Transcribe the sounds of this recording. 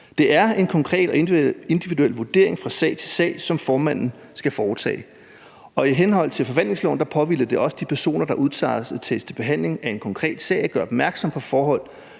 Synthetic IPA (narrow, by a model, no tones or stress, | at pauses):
d̥e̝ʔæɐe̝nkʰɒ̽ŋkʰʁɛ̰ːd̥ɒ̽e̝nd̥iʋiduel̰ʋud̥e̝ɐ̰e̝ŋfʁɑ̈sɛ̰ɪ̰t͡sʰe̝sɛ̰ːɪsɒ̽mfɒːmæn̰n̩ | sɡ̥æfɒːt͡sʰɛ̰ːɪ | ɒ̽iɦenɦɒ̽l̰t͡sʰe̝lfɒ̽ʋæn̰le̝ŋslɔ̰ʊnd̥ɑ̈pʰɒ̽ʋil̰ð̩d̥e̝ʔɒ̽səd̥ipʰæɐso̝̰ːnɐd̥ɑ̈ʔuðˠt͡sʰɑ̰̈ːsæt͡sʰḛst͡sʰe̝b̥e̝ɦæn̰le̝ŋæe̝nkʰɒ̽ŋkʰʁɛ̰ːd̥sɛ̰ɪɒɡ̥ɶɐɒb̥̚mæɐɡ̥sɒ̽mpʰɒ̽fɒːɦɒ̽l̰